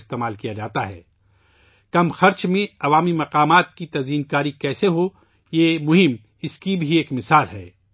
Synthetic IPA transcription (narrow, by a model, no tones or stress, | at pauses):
st̪eːmaːlkijad͡ʒaːt̪aɦɛ̰ː | kɐmxɐɾt͡ʃmẽɐʋaːmimɐqaːmaːt̪̚kit̪ɐziːnkaːɾikɛːseɦo | jemʊɦɪm | ɪskibʱieːkmɪsaːlɦɛ̰ː